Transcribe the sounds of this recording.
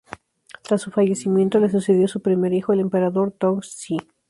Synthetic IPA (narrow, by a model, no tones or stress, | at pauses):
t̪ɾasːufaʝe̞simje̞nt̪o̞le̞s̬use̞ðjo̞supɾime̞ɾixoelempe̞ɾaðo̞ɾt̪oŋsi